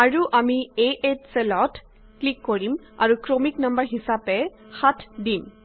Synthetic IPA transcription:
aɹuʔamieʔetselɔt | klikːoɹim | a̰ɹukɹomiknambəɹɦisapɛ | xatʰdim

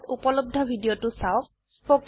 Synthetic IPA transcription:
tupɔlob̚d̪ʱɔbʱidiotʊsaʊ | pok

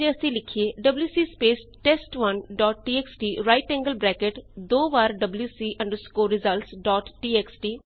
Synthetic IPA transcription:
d͡ʒeəsĩlɪkʰieːɖəbljuːsiːspeːsʈeːsʈʋənɖɔːʈʈiːeksʈiːɾaːɪʈɛ̃ːŋɡəlbɾɛːkeʈd̪oːʋaːɾɖəbljuːsiːʔə̃ɳɖəɾskoːɾɪzəlʈsɖɔːʈːiːeksʈiː

